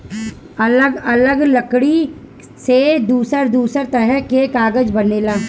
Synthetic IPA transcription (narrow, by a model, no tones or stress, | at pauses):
ɐləɡɐləɡləkɽi | sed̪uːsəɾd̪uːsəɾt̪ɐɾɛɦkekaːɡəd͡ʒbɐneːlaː